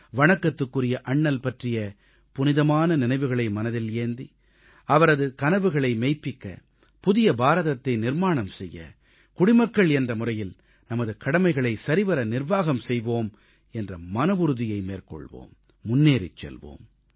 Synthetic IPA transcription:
ʋɐɳɐkːɐt̪ːɯkːɯrɪjɐʔɐɳːɐlpɐʈrɪjɐ | pʊnɪðɐmaːnɐnɪnɐɪʋɯɣɐɭɐɪmɐnɐðɪleːnd̪i | ɐʋɐɾɐðɯkɐnɐʋɯɣɐɭɐɪmɛɪpːɪkːɐ̰ | pʊðɪjɐbaːɾɐðɐt̪ːɐɪnɪɾmaːɳɐmsɛjːɐ̰ | kʊɽɪmɐkːɐɭɛndrɐmʊrɐjɪl | nɐmɐðɯkɐɽɐmɐɪɣɐɭɐɪsɐɾɪʋɐɾɐnɪrʋaːɣɐmsɛjʋoːm | ɛndrɐmɐnɐʋʊɾɯðɪjɐɪmeːrkɔ̰ɭʋo̰ːmː | ʊnːeːɾɪ̰t͡ʃːɛ̰lʋo̰ːm

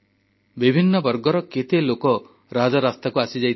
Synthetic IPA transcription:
bibʱinːɔbɔɾɡɔɾɔket̪elokɔ | ɾad͡ʒɔɾast̪akuasid͡ʒajt̪

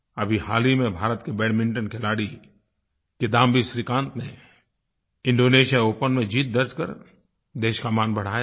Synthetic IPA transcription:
ɐbʱihaːlimẽbʱaːɾət̪kebɛːɽmɪ̃ɳʈənkʰɪlaːɽi | ked̪ãːmbʱisɾikãːnt̪nḛ | ɪ̃ɳɖoːneːʃjaoːpənmẽd͡ʒiːt̪̚d̪əɾd͡ʒkə̰ɾ | d̪eːʃkamaːnbɐɽ̤aː

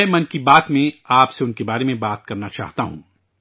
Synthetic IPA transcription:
mɐnkibaːt̪mẽaːpseʊnkebaːɾemẽbaːt̪̚kɐɾnat͡ʃa̰ːɦt̪aɦṵ̃ː

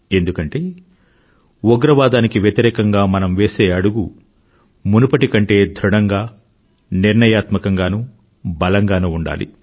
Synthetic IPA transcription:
e̞nd̪ukɐɳʈe̞ː | oɡɾɐʋaːd̪aːnikiʋjɐt̪iɾɛːkɐŋɡaːmɐnɐmʋe̞ːseːɐɽuɡu | munupɐʈikɐɳʈe̞ːd̪ʱɾuɽɐŋɡaː | niɾɳɐjaːt̪mɐkɐŋɡaːnuː | bɐlɐŋɡaːnuuɳɖa̰ːlḭ

